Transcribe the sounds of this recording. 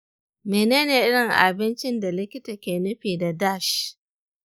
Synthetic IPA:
meː˨neː˦neː˨ʔɪ˦ɽɪ˨ŋʔa̰˨bɪ˦nt͡ʃɪ˦nda˨lɪ˦kʲɪ˦ta˨kʲeː˨nʊ˦ɸiː˨da˨da˦˨ʃ

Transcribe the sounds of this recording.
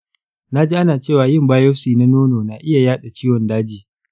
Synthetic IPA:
na˦d͡ʒiː˦ʔa˦naː˨t͡ʃeː˦˨waː˨jɪ˦˨mbaː˦jɔ˦siː˨na˦noː˦noː˨naː˨ʔɪ˦ja˨jaː˦ɗa˨t͡ʃiː˦wɔ˨ndaː˦d͡ʒiː˨

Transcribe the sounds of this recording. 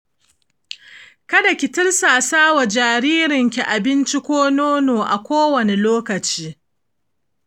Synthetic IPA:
kɐ˦da˨kʲɪ˨tɪ˦rsaː˨saː˦wa˨d͡ʒaː˨ɾiː˦ɾɪ˨ŋkʲi˨ʔa˨bɪ˦nt͡ʃi˦kʷoː˦noː˦noː˨ʔa̰˨kʷoː˦wɐ˨ne˨loː˦kɐ˨t͡ʃiː˦

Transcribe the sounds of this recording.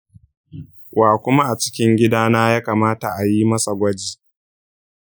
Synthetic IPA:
wʔaː˨kʷʊ˦ma˦ʔa˨t͡ʃɪ̥˦kʲɪ˦ŋɡʲɪ˦daː˦naː˦jaː˦kaː˨maː˦ta˨ʔa˨ji˦mɐ˦sa˨ɡʷɐ˦d͡ʒiː˨

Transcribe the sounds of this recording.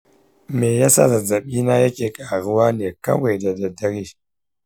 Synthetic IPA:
me˨ja˦sa̰˦za˨d͡za˨ɓi˦na˦ja˦ke˦ka˨ɣu˦wa˦ne˨ka̰˦we˨da˨da˨da˦ɾi˦

